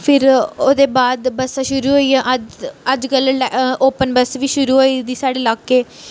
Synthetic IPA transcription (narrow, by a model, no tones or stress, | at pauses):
pʰɪɾoːd̪eːbaːd̪bəsaːʃʊɾuːɦoːiɛ̃ʔəd͡ʒəd͡ʒkəllʔoːpənbəsʋiːʃʊɾuːɦoːid̪iːsaːɖeːlaːkeː